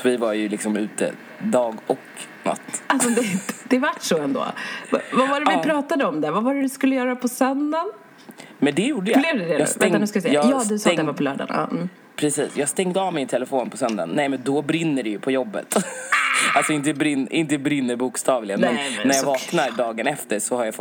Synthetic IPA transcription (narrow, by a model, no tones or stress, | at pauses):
ɔvɪvaɾjɵlɪksɔmʉ̟ːt̪ə̰ | d̪ɑːɡɔkna̰t̪ːalsɔd̪ɛd̪̥ɛvaʈːʂɔɛnd̪o̰ːvvavaɾɛvɪpʰɾɑːt̪ad̪əɔmd̪ævavaɾɛd̪ɵskɵlːəjœːɾapʰɔsœnd̪an | mɛnd̪ɛjuːɖəjablɛvd̪ɛd̪ɛjɑːst̪ɛŋnʉskavɪsɛjɑːajɑːd̪ɵsɛɛvapʰɔlœ̰ːɖa̰nɑ̰ː | pʰɾɛsiːsjɑːɡst̪ɛŋd̪əɑvmɪnt̪ʰɛləfoːnpʰɔsœnd̪a̰nːɛmɛnd̪ɔbɾɪnːəɖɛjɵpʰɔjɔbːə̰t̪ | alsɔɪnt̪əbɾɪnʔɪnt̪əbɾɪnːəɾbuːkst̪ɑːvlɪɡənmɛnːæɾjavɑːknaɾɖɑːɡənɛft̪əɾʂɔhaɾjafɔ